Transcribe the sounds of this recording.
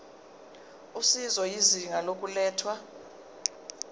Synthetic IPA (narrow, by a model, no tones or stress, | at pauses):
usizɔjiziŋalok̬ʼulɛːtʰwa